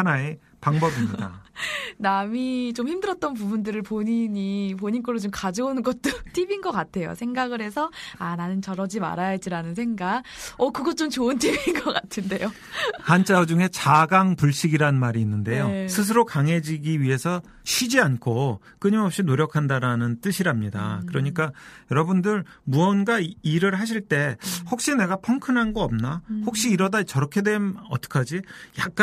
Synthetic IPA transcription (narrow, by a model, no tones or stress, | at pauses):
hanae̞ | paŋbʌbimɲidanamit͡ɕomçimdɯɾʌt̚t͈ʌnp̬ubundɯɾɯɭpoɲiɲipoɲink͈oɭːot͡ɕomkad͡ʑʌonɯnɡʌt̚t͈otʰibinɡʌk͈atʰe̞jo̰sʰe̞ŋɡaɡɯɾɦe̞s̬ʰʌananɯnt͡ɕʌɾʌd͡ʑima̰ɾajad͡ʑiɾanɯnsʰe̞ŋɡaʌkɯɡʌt͡ɕ͈omt͡ɕoɯntʰibinɡʌk͈atʰɯnde̞jo | hant͡ɕ͈ʰad͡ʑuŋɦe̞t͡ɕaɡaŋpuɭɕ͈iɡiɾaɯnmaɾiːnːɯnde̞jjosʰɯs̬ʰɯɾokaŋɦe̞d͡ʑiɡiɥiɦe̞sʰʌ | ɕʰid͡ʑiankʰo | k͈ɯɲimopɕ͈inoɾjʌkʰandaɾanɯnt͈ɯɕʰiɾamɲida̰kɯɾʌɲik͈ajʌɾʌbundɯɾ | muʌnɡaiɾɯɭɦaɕ̬ʰiɭt͈e̞hok̚ɕ͈ine̞ɡapʰʌŋkʰɯnɦanɡʌʌm̚nahok̚ɕ͈iːɾʌdat͡ɕʌɾʌkʰe̞dwe̞nʌt͈ʌ̥kʰad͡ʑijak̚k͈